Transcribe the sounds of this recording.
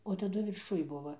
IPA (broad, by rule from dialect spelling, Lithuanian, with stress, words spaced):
oː tɐˈdʊ ʋʲɪrˈʃʊj ˈbʊʋɐ